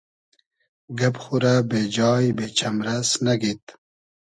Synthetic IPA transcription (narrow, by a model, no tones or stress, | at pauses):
ɡɐpxuɾabed͡ʑɑːjbet͡ɕʰɐmɾɐsnɐɡit̪